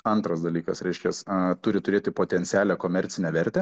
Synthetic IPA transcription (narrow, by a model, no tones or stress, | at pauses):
ɐnt̪ɾɐsd̪ɐlʲiːkɐsɾʲɛɪʃʲkʲɛst̪ʊɾʲɪt̪ʊɾʲeːt̪ʲɪpoːt̪ʲɛnʲsʲɪæːlʲɛkoːmʲɛɾʲt̪sʲɪnʲɛʋʲɛɾʲt̪ʲɛ